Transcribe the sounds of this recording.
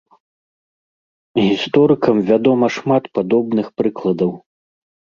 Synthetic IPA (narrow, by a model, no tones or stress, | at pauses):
ɣʲist̪ɔɾɨkɐmvʲad̪ɔmɐʂmat̪pad̪ɔbnɨxpɾɨklˠɐd̪ɐw